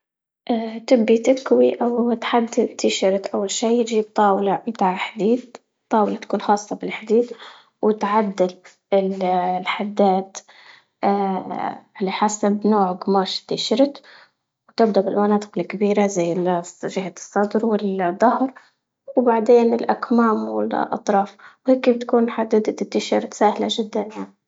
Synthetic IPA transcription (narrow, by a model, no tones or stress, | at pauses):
ʔaːt̪ɪbːit̪ɪkwiʔawt̪ħad̪ːɪd̪t̪ɪʃɾɪt̪ʔawːalʃiːjɪd͡ʒib̚t̪ˤɑːwlamɪt̪aːʕħad̪iːd̪̚ | t̪ˤːɑːwlat̪akuːnxɑːsˤːɑbɪlħad̪iːd̪ | wɪt̪ʕad̪ːɪl | ɪllħad̪ːaːt̪ | a | lːiħasabnoːʕɡmaːʃt̪ːɪʃɪɾt̪ | wt̪ɪb̚d̪abɪlmanɑːt̪ˤɨ̥qɪlkabiːɾazajːɪlʒɪɦat̪sˤːɑd̪ɾwɪld̪ˤːɑhɾ | wbaʕd̪eːnɪlʔakmaːmwɪ̰lʔɑ̰t̪ˤɾˤɑːfwheːkibɪt̪kuːnħad̪ːɪd̪t̪ːɪt̪ːɪʃɪɾˤt̪saːhlaʒɪd̪ːanjaʕni